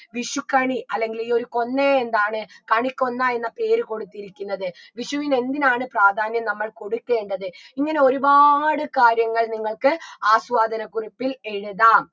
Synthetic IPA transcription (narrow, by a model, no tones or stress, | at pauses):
ʋiʂukːɐɳiɐlːe̞ŋɡilio̞ɾuko̞nːeend̪aːɳɨkɐɳikʲːo̞nːaːe̞nːɐpe̞ːɾɨko̞ɽut̪ːiɾikʲːunːɐðɨ | ʋiʂɐʋine̞nd̪inaːɳɨpraːd̪ʱaːnjɐmnɐmːɐɭko̞ɽukːe̞ːɳɖɐðɨiŋːɐne̞o̞ɾubaːɽɨkaːɾjɐŋːɐɭniŋːɐɭkɨaːswaːd̪ʱɐnɐkuripːile̞ɻuðaːm